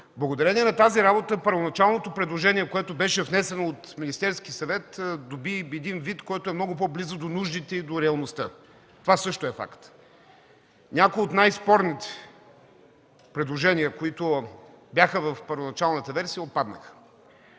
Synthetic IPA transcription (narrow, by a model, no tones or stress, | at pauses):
blˠɐɡod̪ɐɾɛniɛnɐt̪aziɾabot̪əpəɾvonɐt͡ʃalˠnot̪opɾɛd̪lˠoʒɛniɛkoɛt̪obɛʃɛvnɛsɛnoːt̪minist̪ɛɾskisɐvɛt̪d̪obiɛd̪invit̪kɔjt̪oɛmnɔɡʊp̬ɔblizəd̪onuʒd̪it̪ɛid̪oɾɛɐlˠnost̪ə | t̪ovasɤʃt̪oɛfa̰kt̪ | nʲakojot̪najspɔɾnit̪ɛ̥ | pɾɛd̪lˠoʒɛnijəkoit̪ʊbʲjaxəvɐfpəɾvonɐt͡ʃalˠnət̪ɐvɛɾsijəot̪̚pad̪nə̰xə̥